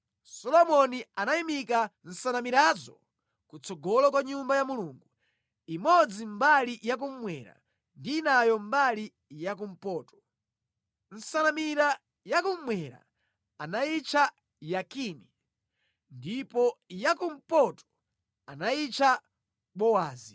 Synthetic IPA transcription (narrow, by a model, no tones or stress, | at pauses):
sɔlɔmɔnianaimikan̩sanamiɾazɔ | kut͡sɔɡɔlɔkwaɲumbajamuluːŋɡu | imɔd͡zim̩balijak̬um̩mwɛɾa̰ | ndiːnajɔmbali | jak̬um̩pɔːtɔ̥ | n̩sanamiɾa | jakum̩mwɛɾa̰ | anait͡ʃʰa | jakini | ndipɔjakum̩pɔtɔ̥ | anait͡ʃʰa | ɓɔwaːzi